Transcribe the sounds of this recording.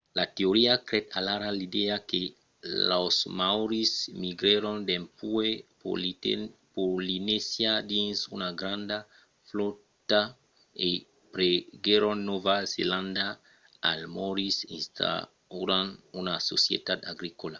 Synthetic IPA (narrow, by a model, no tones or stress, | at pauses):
lat̪eoɾiakɾet̪alaɾalid̪eake | lasmawɾismiɡɾeɾond̪empue | polinesjad̪ĩnsunaɡɾãnd̪a | flot̪a | e | pɾeɡeɾonːovazḛlãnd̪a | a̰lmoɾisḭ̃nst̪a̰ | uɾanunaso̰sjḛt̪ad̪aɡɾikola